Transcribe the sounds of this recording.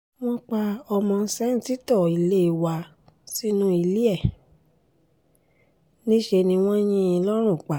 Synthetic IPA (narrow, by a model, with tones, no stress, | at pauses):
w̃ɔ̃˦k͡pa˧ɔ˧mɔ̃˧˦sɛ˦n̩˦ti˦tɔ˦˨i˨le˦i˧wa˧ | si˦nũ˦i˧li˦ɛ˦˨ | nĩ˦ʃe˧nĩ˧w̃ɔ̃˦j̃ĩ˦ĩ˧lɔ˦ɾ̃ũ˦˨k͡pa˨